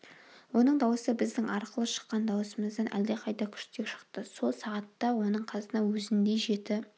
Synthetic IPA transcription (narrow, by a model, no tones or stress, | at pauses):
wo̞nəɴd̪ɑwəsəbɪzd̪ɪŋʔɑɾqəlˠəʃə̥qːɑnd̪ɑwəsəməzd̪ɑnʔæ̰ld̪eqʰɑjt̪ɑkʲʰʏ̥ʃt̪ekʃə̥qt̪əso̞lˠsɑʁɑt̪ːɑwo̞nəɴqʰɑzənɑwɵzɪnd̪e̞ʒe̞t̪ɪ